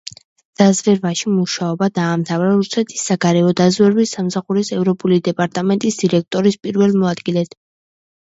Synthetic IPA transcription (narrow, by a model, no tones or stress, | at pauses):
d̪̥azvɛɾvaʃimuʃaɔbad̪aːmt̪ʰavɾaɾusɛt̪ʰi̥sːaɡaɾɛɔd̪azvɛɾwisːamsaχuɾisɛvɾɔpʼulid̪ɛpʼaɾt̪ʼamɛnt̪ʼisd̪̥iɾɛk̚ʰt̪ʼɔɾispʼiɾvɛlmɔad̪ɡilɛt̪ʰ